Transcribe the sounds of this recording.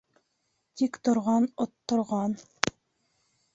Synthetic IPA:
t̪ikt̪ŏɾʁɑnot̪ːŏɾʁɑn

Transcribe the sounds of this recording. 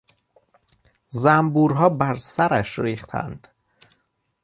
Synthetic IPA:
zæmbuːɾɦɒːbæɾsæɾæʃɾiːχt̪ʰæ̰nd̪̥

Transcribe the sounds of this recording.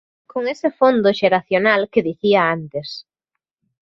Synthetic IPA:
koŋesɪfond̪oʃeɾaθjonalkeðiθiaant̪es

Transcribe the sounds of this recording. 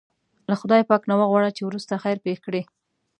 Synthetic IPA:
laxʊd̪ɑjpɑknawəɣwɑɽat͡ʃewɾust̪axajɾpexkɽe

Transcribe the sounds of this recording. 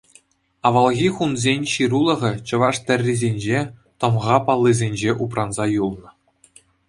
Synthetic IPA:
ɑʋɑlˠɣʲiχunzʲenʲɕiɾulˠɤ̆ʁɘ̆t͡ɕɤ̆ʋɑʂt̪ʲɘ̆rʲːizʲenʲd͡ʑet̪ɤ̆mʁɑpɑlˠːizʲenʲd͡ʑeʔup̬rɑnzɑjulˠnɤ̆

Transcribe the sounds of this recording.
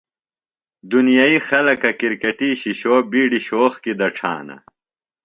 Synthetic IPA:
d̪unijaixɐlɐkɐkiɾkeʈiːɕiɕoːbiːɖiɕoːxkid̪ɐʈ͡ʂʰa̰ːnɐ̰

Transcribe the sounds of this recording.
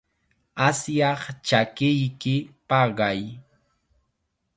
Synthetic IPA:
asjɑχt͡ʃakɪjkɪpɑɢɑj

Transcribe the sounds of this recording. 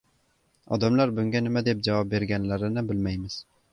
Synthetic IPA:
ɒ̰d̪amlaɾbʊŋɡʲanɪmad̪e̞p̚d͡ʒavɒp̚be̞ɾɡʲanlaɾɪnɪbɪlmajmɪz̥

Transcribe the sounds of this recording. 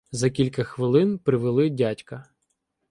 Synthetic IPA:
zɐkʲilʲkɐxʋɪlˠɪnpɾɪʋelˠɪdʲatʲkɐ

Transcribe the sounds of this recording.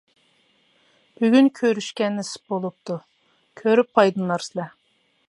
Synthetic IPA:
b̥yɡʲynkʲʰøɾyʃkʲɛnːɪsbolˠup̚t̪ʰu | kʲʰøɾyp̚qɑjd̪ɨnːˠɑɾsɪlɛ

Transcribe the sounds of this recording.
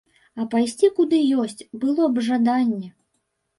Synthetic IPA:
ɐpajsʲt͡sʲikud̪ɨjɔsʲt͡sʲbɨlˠɔbʐad̪anʲːɛ

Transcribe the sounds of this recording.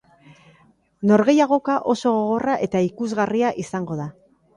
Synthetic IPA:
no̞ɾɣe̞jaɣo̞kaʔo̞so̞ɣoɣ̞o̞raʔe̞t̪aikuzɣariaʔisaŋɡo̞ða

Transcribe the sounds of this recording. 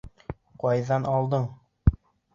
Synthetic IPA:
qɒjðɑnɑlˠd̪ɤɴ

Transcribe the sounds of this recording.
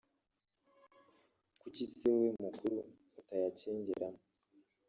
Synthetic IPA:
kucisewemukʰuɾuː | tajaceːɲɟḛɾamo

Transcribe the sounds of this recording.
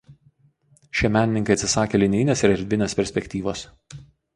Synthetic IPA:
ʃʲiɛmʲæːnʲɪnʲɪŋkɐɪt̪sʲɪsɑːkʲeːlʲɪnʲɪnʲeːsɪɾɛɾʲd̪ʲʋʲɪnʲeːspʲɛɾʲsʲpʲɛkʲt̪ʲiːʋoːs

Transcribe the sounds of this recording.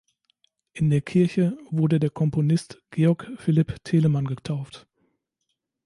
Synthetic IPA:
ʔɪndeːɐkʰɪɐçəvʊɐdədeːɐkʰɔmponɪstɡ̥eːɔɐkfɪlɪptʰeːləmanɡətʰaʊft

